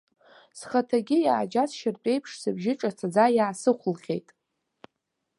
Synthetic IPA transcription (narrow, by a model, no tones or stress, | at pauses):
sχatʰaɡʲɪjaːd͡ʒat͡sʰʃɪrt͡pʷʼe̞jpʰʂsɨbʒɪʈ͡ʂʼat͡sʰad͡zajaːsɨχʷlχʲe̞̰jtʼ